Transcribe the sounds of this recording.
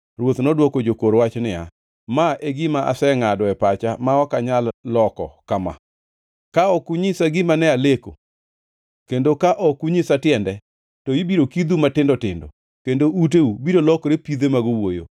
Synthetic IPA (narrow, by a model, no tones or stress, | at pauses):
rwot̪nɔdwokod͡ʒokoɾwat͡ʃnɪa̰ | maʔeɡɪmaʔa̰sɛŋadɔɛpat͡ʃamaɔkaɲalːɔkɔ̰kama̰ | kaɔkuɲɪsaɡɪmanɛaleko̰ | kendokaʔɔkuɲɪsatɪɛndɛ | tɔjibiɾokid̪umatɪndɔtɪndɔ̰ | kendoʔut̬eubiɾolɔkɾepid̪emaɡowojo̰